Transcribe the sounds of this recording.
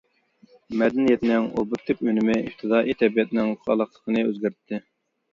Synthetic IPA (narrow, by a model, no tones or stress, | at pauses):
mɛd̪ɛnijɛt̪nɪŋo̰bʊt̪ʰːɪpønɪmɪift̪ʰɨd̪ɑːʔit̪ʰɛbijɛt̪nɪŋχʰɑ̰lˠɑqlˠə̥qʰənɨø̰zɡʲæɾt̪ʰːɪ